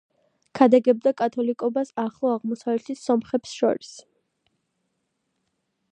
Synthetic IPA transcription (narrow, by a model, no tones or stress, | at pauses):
kʰad̪aɡɛb̚d̪akʼat̪ʰɔlikʼɔbasaχlˠɔaʁmɔsavlɛt̪ʰisɔmχɛpsʃɔ̰ɾis